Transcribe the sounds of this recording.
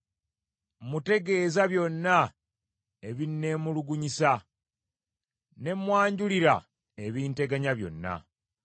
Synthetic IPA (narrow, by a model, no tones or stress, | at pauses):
mute̞ɡe̞ːzaβjo̞nːa | e̞βinːe̞ːmuluɡuɲisa | ne̞mwaːɲɟuliɾa̰ | e̞βiːnte̞ɡaɲaβjo̞̰nːa̰